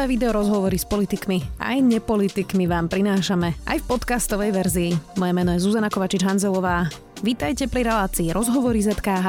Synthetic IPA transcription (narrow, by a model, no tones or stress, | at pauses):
ɛːʋid̪ɛɔɾɔzɦɔʋɔɾispɔlit̪ikmia̰jɲɛpɔlit̪ikmiʋaːmpɾinaːʃamɛa̰jfpɔt̪kast̪ɔʋɛjʋɛɾziːmɔjɛmɛnɔjɛzuzanakɔʋat͡ʃid͡ʒɦanzɛlɔʋaː | ʋit̪ajcɛpɾiɾɛlaːt͡siːɾɔzɦɔʋɔɾizɛt̪kaːɦ